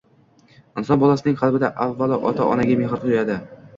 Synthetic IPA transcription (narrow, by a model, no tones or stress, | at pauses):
ɪnsɒnbɒlˠasɪnɪŋqʰɑlˠbɪd̪aʔavːalɪʔɒt̪ʰaʔɒ̰naɡʲameɦɾt̪ʰojad̪ɪ